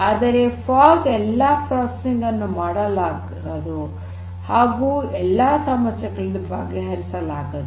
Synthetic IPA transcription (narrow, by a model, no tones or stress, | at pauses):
aːd̪ɐɾepʰaːlsɛlːapɾaːssiŋɡɐnːumaːɽɐlaːɡ | ɐd̪u | haːɡuːɛlːasaːmɐt͡ʃɐɡɐɭd̪uba̰ːɡeɦɐɾisɐlaːɡɐd̪